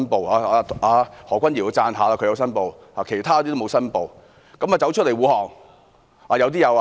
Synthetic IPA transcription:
npo˨˧waː˨˧˨ʔaː˧hɔː˨˩kʷɐ˥nji˨˩wo˨˧˥t͡saː˧nɦaː˨˧laː˧kʰɵ˧jɐ˧wsɐ˥npo˨w | haː˨˩kʰe˨˩jt̪ʰaː˥jɔ˨˧t̪iː˥o˥mo˨˧wsɐ˥npo˨w | kɐ˨˥maː˨t͡sɐ˨˥wt͡ʃʰt̚le˨˩jwuː˨˧hɔː˨˩ŋ | aː˨jɐ˨˧wt̪̬iː˥jɐ˨˧w

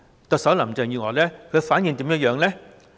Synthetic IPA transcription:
t̪o˨k̚sɐ˨˥wlɐ˨˩mt͡sɛ˨˧ŋjyː˧ŋɔː˨˩lɛː˦˥kʰɵ˨˧˥faː˨˥nji˧nt̪i˨˥mjɐ˦˥jœː˨˧ŋlɛː˦˥

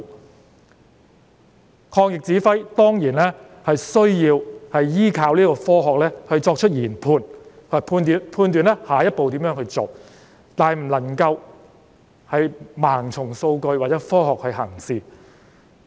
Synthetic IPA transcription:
kʰɔː˧ŋjɪ˨k̚t͡siː˨˥fɐ˥jt̪ɔː˥ŋjiː˨˩nlɛː˥ | hɐ˨jsɵ˥ɥjiː˧whɐ˨jjiː˥kʰaː˧wliː˥kɔː˧fɔː˥ɦɔː˨k̚lɛː˥hɵ˧ɥt͡sɔː˧k̚t͡ʃʰɵ˥t̚jiː˨˩npʰuː˧n˨˩pʰuː˧nː˨pʰuː˧nt̪yː˨nlɛ˥haː˨jɐ˥t̚po˨wt̪iː˨˥mjœː˨˥ŋhɵ˧ɥt͡so˨w | t̪aː˨jm̩˨˩lɐ˨˩ŋkɐ˧w | hɐ˨jmaː˨˩ŋt͡sʰʊ˨˩ŋso˧wkɵ˧ɥwaː˨t̚t͡sɛ˨˥fɔː˥hɔː˨k̚hɵ˧ɥɦɐ˨˩ŋsiː˨˧

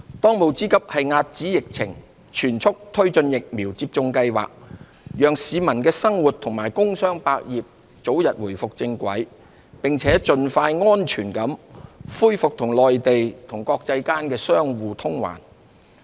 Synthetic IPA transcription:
t̪ɔː˥ŋmo˨˧wt͡siː˨˥kɐ˥p̚hɐ˨jŋaː˧t̚t͡siː˨˥jɪ˨k̚t͡sʰɪ̰˨˩ŋ | t͡ʃʰyː˨˩nt͡sʰʊ˥k̚t̪ʰɵ˥ɥt͡sɵ˧njɪ˨k̚miː˨˩wt͡siː˧p̚t͡sʊ˧ŋkɐ˧jwa̰ː˨k̚ | jœː˨ŋsiː˨mɐ˨˩nkɛː˧sɐ˥ŋwuː˨˩t̪̚ʰʊ˨˩ŋmaː˨˩jkʊ˥ŋsœː˥ŋpaː˧k̚jiː˨p̚ | t͡so˨˥wjɐ˨t̚wuː˨˩jfʊ˨k̚t͡sɪ˧ŋkʷɐ̰˨˥j | pɪ˨ŋt͡sʰɛː˨˥t͡sɵ˨nfaː˧jŋɔː˥nt͡ʃʰyː˨˩nkɐ˨˥mfuː˥jfʊ˨k̚t̪ʰʊ˨˩ŋlɔː˨jt̪e˨jt̪ʰʊ˨˩ŋkɔː˧k̚t͡sɐ˧jkaː˥nkɛː˧sœː˥ŋwuː˨˧t̪ʰʊ˥ŋwa̰ː˨˩n

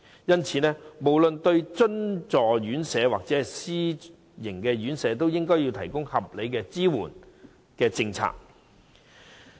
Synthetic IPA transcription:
jɐ˥nt͡sʰiː˨˧nɛː˥mo˨˩wlɵ˨nt̪ɵ˧ɥt͡ʃɵ˥nt͡sɔː˨˩jyː˨˥nsɛː˨˧waː˨k̚t͡sɛː˨˥˨siː˥ | jɪ˨˩ŋkɛː˧ɥyː˨˥nsɛː˨˧t̪o˥wjɪ˥ŋkɔː˥jiː˧wt̪ʰɐ˨˩jkʊ˥ŋhɐ˨p̚le˨˧jkɛː˧t͡siː˥wuː˨˩n | kɛː˧t͡sɪ˧ŋt͡sʰa̰ː˨k̚

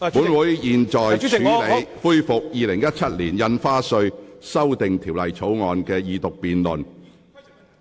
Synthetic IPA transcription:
pu˨˥nwuː˨˥jjiː˨nt͡ʃɔː˨˩jt͡ʃʰyː˨˥le˨˧jfuː˥jfʊ˨k̚jiː˨lɪ˨˩ŋjɐ˥t̚t͡ʃʰɐ˥t̚liː˨˩njɐ˧nfaː˥sɵ˧ɥsɐ˥wt̪ɪ˨ŋt̪ʰiː˨˩wlɐ˨jt͡sʰo˨˥wŋɔː˨nkɛː˧jiː˨˧t̪ʊ˨k̚piː˨nlɵ˨n

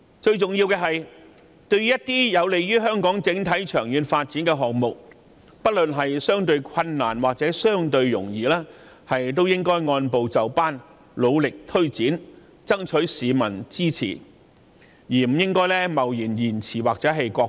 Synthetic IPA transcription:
t͡ʃɵ˧ɥt͡sʊ˨ŋjiː˧wkɛː˧ɦɐ˨j | t̪ɵ˧ɥjɐ˥t̚t̪iː˥jɐ˨˧wle˨jjyː˥ɦœː˥ŋkɔː˨˥ŋt͡sɪ˨˥ŋt̪ʰɐ˨˥jt͡ʃʰœ̰ː˨˩ŋjyː˨˧nfaː˧t̚t͡siː˨˥nkɛː˧ɦɔː˨k̚mʊ˨k̚ | pɐ˥t̚lɵ˨nɦɐ˨jsœː˥ŋt̪ɵ˧ɥkʰɐ˧nːaː˨˩nwaː˨k̚t͡sɛː˨˥sœː˥ŋt̪ɵ˧ɥːʊ̰˨˩ŋjiː˨laː˥ | hɐ˨jt̪̬o˥wjɪ˥ŋkɔː˥jŋɔː˧npo˨wt͡sɐ˨wpaː˥n | lo˨˧wlɪ˨k̚t̪ʰɵ˥ɥt͡siː˨˥n | t͡sɐ˥ŋt͡ʃʰɵ˨˥ɥsiː˨˧mɐ̰˨˩nt͡siː˥t͡sʰḭː˨˩ | jiː˨˩m̩˨˩jɪ˥ŋkɔː˥jlɛː˥mɐ˨˩wjiː˨˩njiː˨˩nt͡sʰiː˨˩waː˨k̚t͡sɛː˨˥ɦɐ˨jkɔː˧

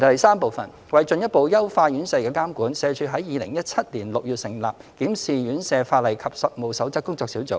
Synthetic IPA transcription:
t̪ɐ˨˩jsaː˥mpo˨wfɐ̰˨n | wɐ˨jt͡ʃɵ˨˧njɐ˥t̚po˨˧wjɐ˥wfaː˧jyː˨˥nsɛː˧kɛː˧kaː˥mkuː˨˥nsɛː˨˧t͡ʃʰyː˨˧ɦɐ˨˥jːiː˨˧lɪ˨˩ŋjɐ˥t̚t͡sʰɐ˥t̚liː˨˩nlʊ˨k̚jyː˨t̚sɪ˨˩ŋla̰ː˨p̚kiː˨˥msiː˨jyː˨˥nsɛː˧faː˧t̚lɐ˨jkʰɐ˨p̚sɐ˨t̚mo˨wsɐ˨˥wt͡sɐ˥kːʊ˥ŋt͡sɔː˧ksiː˨˥wt͡so̰˨˦

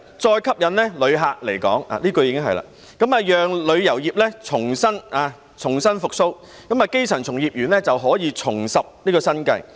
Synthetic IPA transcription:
t͡sɔː˧jkʰɐ˥p̚jɐ˨nlɛː˥lɵ˨˧ɥɦaː˨˧k̚le˨˩jkɔ̰ː˨˥ŋa̰ː˨liː˥kɔ˧jiː˨˧kɪ˥ŋɦɐ˨jla̰ː˧ | kɐ˨˥maː˨˧jœː˨ŋlɵ˨˧ɥjɐ˨˩wjiː˨p̚lɛː˥t͡sʰʊ˨˩ŋsɐ˥naː˨˧ | t͡sʰʊ˨˩ŋsɐ˥nfʊ˨k̚so˥w | kɐ˨˥maː˨ke˥jsʰœː˨˩nt͡sʰʊ˨˩ŋjiː˨p̚jyː˨˩nlɛː˥t͡sɐ˨wɦɔː˨˥jiː˨˧t͡sʰʊ˨˩ŋsɐ˨p̚niː˥kɔː˧sɐ˥nkɐ̰˧j

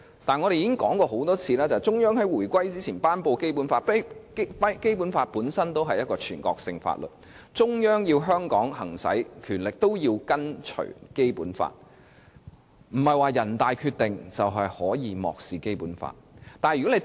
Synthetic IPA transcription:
t̪aː˨nŋɔ˨˧ɾe˨ji˨˥kɪ˥ŋkɔː˨˥ŋkɔː˧ho˨˥wt̪ɔː˥t͡sʰiː˨˧lɛː˥t͡sɐ˨t͡sʊ˥ŋjœː˥ŋɦɐ˨˥jwuː˨˩jkʷɐ˥jt͡siː˥t͡sʰiː˨˩npaː˥npo˧wke˥jp̬uː˨˥nfaː˧t̚ppɐ˥jke˥jpu˨˥nfaː˧t̚puː˨˥nsɐ˥nt̪o˥wɦɐ˨jɐ˥t̚kɔː˧t͡ʃʰyː˨˩nkɔ̰ː˧k̚sɪ˧ŋfa̰ː˧t̚lɵ̰˨t̚ | t͡sʊ˥ŋjœː˥ŋjiː˧wɦœː˥ŋkɔ̰ː˨˥ŋhɐ˨˩ŋsɐ̰˨˥jkʰyː˨˩nlɪ˨k̚t̪o˥wji˧wkɐ˥nt͡ʃʰɵ̰˨˩ɥke˥jpṵː˨˥nfa̰ː˧t̚ | m̩˨˩hɐ˨jwaː˨jɐ˨˩nt̪aː˨˧jkʰyː˧t̚t̪ɪ˨ŋt͡sɐ˨wɦɐ˨jhɔː˨˥jiː˨˧mɔ̰ː˨k̚siː˨ke˥jpuː˨˥nfa̰ː˧t̚t̪aː˨jy˨˩kɔ˨˥e˨˧

